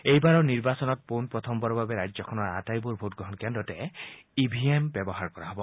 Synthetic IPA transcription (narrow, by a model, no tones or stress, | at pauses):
ejbaɾɔniɾbasɔnɔt̚punpɹɔt̪ʰɔmbɔɾɔbabeɾajd͡ʒd͡ʒɔkʰɔnɔɾa̰tajbuɾbʱotɡɾɔɦɔnkendɔteibʱiembjebɔɦaɾkɔɾaɦɔbɔ